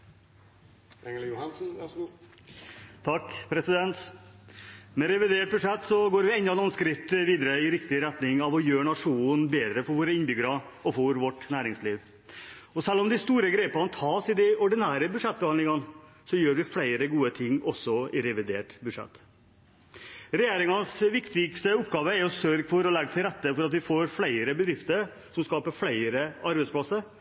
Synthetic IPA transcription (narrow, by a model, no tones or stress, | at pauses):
ɛŋəljʊhɑnsn̩ʋɑ | t̪ʰɑkːpʰɾɛsɪd̪ɛnt̪ | mɛɾɛʋɪd̪eːʈ̚bʉʂɛt̪ːsɔɡoːɾʋɪɛnɑnɔnskɾɪt̪ːʋiːd̪əɾəɪɾɪkt̪ɪɾɛt̪nɪŋɑʋɔjøːɳɑʂuːnbeːd̪ɾəfɔɾʋoːɾəɪnbʏɡəɾɑ | ɔfɔɾʋɔʈnæːɾɪŋsliːʋ | ɔsɛlːɔmd̪ɪst̪uːɾəɡɾeːpɑnt̪ʰɑːsɪd̪ɛɔɖɪnæːɾəbʉd̪ʂɛt̪̚bəhɑnlɪŋɑn | sɔjøːɾʋɪflæɪɾəɡuːət̪ʰɪŋːɔsːɔɪɾɛʋɪd̪eːʈbʉd̪ʂɛ̰t̪ː | ɾɛjeːɾɪŋɑnsʋɪkt̪ɪɡst̪əʊpɡɑːʋəɛɾɔsøːɾɡfɔɾɔlɛɡət̪ʰɪlɾɛt̪ːəfɔɾɑt̪ʋɪfoːɾflæɪɾəbəd̪ɾɪft̪əɾ | sɔmskɑːpəɾflæɪɾəɑɾbɛɪsplɑsəɾ